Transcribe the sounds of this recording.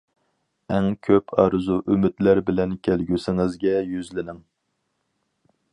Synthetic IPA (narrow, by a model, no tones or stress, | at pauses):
ɛŋkʲʰøpʰɑ̰ːɾɨzuʔymɪt̪læɾbɪlɛnkʲʰɛlɡʲysɪŋɪzɡʲɛjyzlɪnɪŋ